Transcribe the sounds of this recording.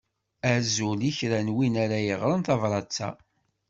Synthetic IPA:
æzuliçɾænwinæɾæjəʁɾənθɑvɾˤɑt͡sːæ̰

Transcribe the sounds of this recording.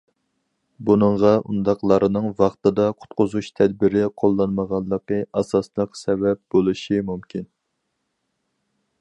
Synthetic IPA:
bunɨŋʁɑʔṵnd̪ɑqlˠɑɾɨnɨŋvɑχt̪ɨd̪ɑqʰʊ̥t̪qʊzuʃt̪ʰɛd̪̚bɪɾɪqʰolˠːɑnməʁɑlˠːəqəʔɑsɑslˠəqsɛvɛp̚b̥olˠɨʃimumkʲin

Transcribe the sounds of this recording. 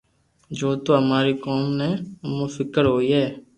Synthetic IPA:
d͡ʒoːt̪oːɦəmaːɾiːkɔːmnɛ̃ːmofɪkəɾɦoːiːɦɛː

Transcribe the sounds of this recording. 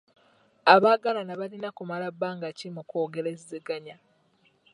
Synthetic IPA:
aβaːɡalanaβalinakumalabːaːŋɡacimukoːɡeɾezeɡaɲa

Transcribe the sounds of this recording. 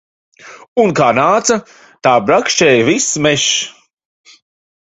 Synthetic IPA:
unkaːnaːt̪sɐ | t̪aːbɾakʃt͡ʃɛjvismɛʃ

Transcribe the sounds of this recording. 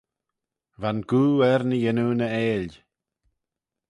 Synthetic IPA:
vanɡuːɛɾnəjɛnuːnəeːl

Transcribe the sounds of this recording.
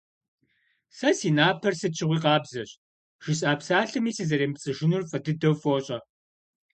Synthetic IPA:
sɐsiːnaːpʰɐrsɨt͡ʃʰɪʁʷiːqɑːbzɐɕ | ʒ̥ɪɕʼaːpsaːɬɨmiːsɨzɐɾeːmpt͡sʼɨʒɪnurfʼɐdɨdɐwfʼoːɕʼɐ

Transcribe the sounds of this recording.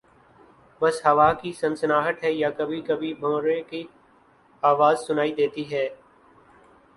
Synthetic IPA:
bɐsɦɐʋaːkisɐ̃nsnaːɦət̪ɦɛjakɐbʱikɐbʱibʱõːɾeki | aːʋaːzsʊnaːid̪eːt̪iɦɛː

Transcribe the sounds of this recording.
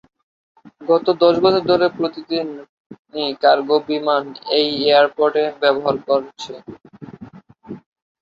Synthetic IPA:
ɡɔt̪od̪ɔʃɡɔt͡ɕʰoɾd̪ʱoɾepɾot̪id̪inː | ikaɾɡobimanejeaɾpoɾʈebɛboɦaɾkoɾt͡ɕʰe

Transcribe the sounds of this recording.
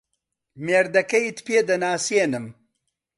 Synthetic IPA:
meːɾd̪ɐkɐjit̪peːd̪ɐnaːseːnɨm

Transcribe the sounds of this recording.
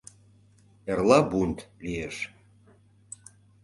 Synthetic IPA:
erlɑbunt̪lieʃ

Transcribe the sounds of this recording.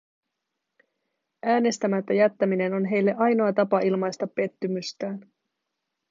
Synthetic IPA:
ʔæːne̞st̪æmæt̪ːæjæt̪ːæmine̞no̞nɦe̞jlːe̞ʔɑjno̞ɑt̪ɑpɑilmɑjst̪ɑpːe̞t̪ːymyst̪æːn

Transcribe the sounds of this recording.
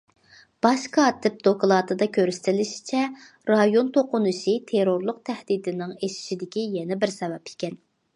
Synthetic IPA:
b̥ɑʃkʰɑːt̪ʰɪp̚d̪oklˠɑːt̪ʰɨd̪ɑkʲʰøɾsɪ̥t̪ʰɪlɪʃi̥t͡ʃʰɛ | ɾɑjont̪ʰoqʊnɨʃit̪ʰeɾoɾlˠʊq̚t̪ʰɛhd̪id̪ɪnɪŋeʃi̥ʃid̪ɪkʲijɛnɛbɪɾsɛvɛpi̥kʲɛn

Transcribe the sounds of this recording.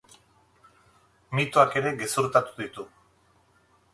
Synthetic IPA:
mit̪oake̞ɾe̞ɣesuɾt̪at̪u̥ðit̪u

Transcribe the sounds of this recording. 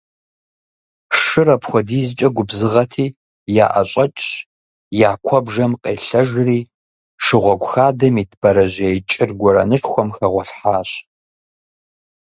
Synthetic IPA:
ʂɨrɐpxʷɔdiːzɨt͡ʃʼɐɡʷʊbzɨʁɐtʰiː | ja̰ːʔɐɕʼɐt͡ʃʼ | jaːkʷʰɔbʒɐmqeːɬɐʒriː | ʂɨʁʷɔɡʷxaːdɐmitʰb̥ɐɾɐʑejt͡ʃʼɪrɡʷɔɾɐnɨʃxʷɔmxɐʁʷɔɬħaːɕ

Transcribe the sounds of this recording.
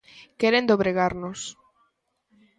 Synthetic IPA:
kɛɾend̪oβɾeɣaɾnos

